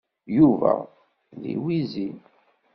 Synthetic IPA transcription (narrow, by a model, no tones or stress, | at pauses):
juvæ | ðḭwizi